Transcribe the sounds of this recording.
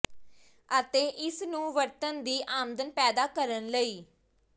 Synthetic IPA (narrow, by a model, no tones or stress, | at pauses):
ət̪eːʔɪsnũːʋəɾt̪ənd̪iːʔaːmd̪ənpɛːd̪aːkəɾənləiː